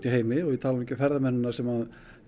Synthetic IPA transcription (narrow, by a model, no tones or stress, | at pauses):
t̪iɦeːjmɪɔɣit̪ʰaːlamicɪfɛɾðamɛnːʏnaɾsɛmhað